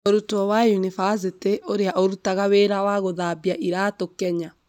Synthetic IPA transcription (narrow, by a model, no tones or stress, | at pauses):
oɾutɔwajunifas̬iteʔoɾeaʔoɾutaɣaweɾawaɣoðabiaʔiɾaːtokɛɲa